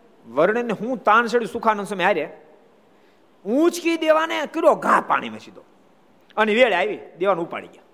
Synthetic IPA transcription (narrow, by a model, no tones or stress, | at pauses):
ʋəɾɳ̃enːeɦũt̪ãːnt͡ʃʰəɽjũsukʰanə̃nsəmẽaːɾe | ũt͡ʃkid̪eʋanekəɾoɡãːpa̰ɽ̃ḭmḛt͡ʃʰid̪oː | əniʋeɭaːjʋid̪eʋanũupa̰ɽḭɡʲja